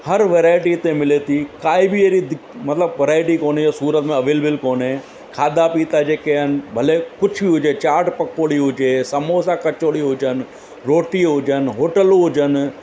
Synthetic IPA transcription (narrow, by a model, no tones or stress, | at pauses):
hɐɾʋeːɾaːɪʈit̪ẽmɪlet̪ikaːibʱieɾid̪ɪmɐt̪ləbʋɐɾaːɪʈikoːnejasuːɾət̪mẽɐʋeːlbɪlkoːnẽ | kʰaːd̪apiːt̪ad͡ʒeːkeɦənbʱɐlekʊt͡ʃʰbiɦʊd͡ʒet͡ʃaːɾʈpɐkoːɽiɦʊd͡ʒeːsɐmosakɐt͡ʃoːɽiɦʊd͡ʒən | ɾoːʈiɦʊd͡ʒənɦoːʈəloɦʊd͡ʒən